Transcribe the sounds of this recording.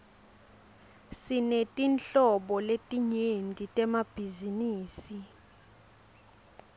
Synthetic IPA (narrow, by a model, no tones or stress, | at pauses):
sinetʼint͡ɬɔɓɔletʼiɲendʱitʼɛmab̥ʱiziniːsi